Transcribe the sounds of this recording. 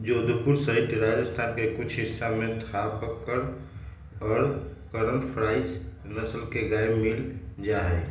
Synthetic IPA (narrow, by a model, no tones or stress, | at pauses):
d͡ʒod̪upuɾsəɦit̪ɾad͡ʒəst̪ʰankekʊt͡ʃʰɦɪsːamẽt̪ʰapəkːəɾ | ɔːɾkəɾənpʰɾaɪsnəsəlkeɡaemild͡ʒaɦɛ